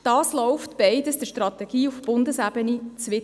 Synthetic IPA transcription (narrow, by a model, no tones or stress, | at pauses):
d̥ɑːslɔʊftb̥ɛɪdəsd̥əʃtrɑtɛɡ̥iːufb̥ʊndəsæbənit͡sʋɪt